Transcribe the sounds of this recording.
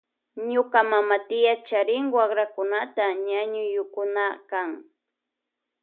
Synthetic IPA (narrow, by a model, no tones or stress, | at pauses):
ɲʊkamamat̪ɪjat͡ʃaɾɪŋwakɾakʊnat̪aɲaɲʊjʊkʊnakaŋ